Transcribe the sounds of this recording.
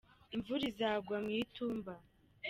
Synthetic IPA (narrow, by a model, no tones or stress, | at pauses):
iɱvuɾizaːɡwamŋiːtuːmba